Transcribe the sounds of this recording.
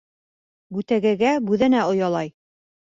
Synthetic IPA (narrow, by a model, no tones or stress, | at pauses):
bʉt̪æɡɘ̆ɡæbʉðɘ̆næŏjɑlˠɑj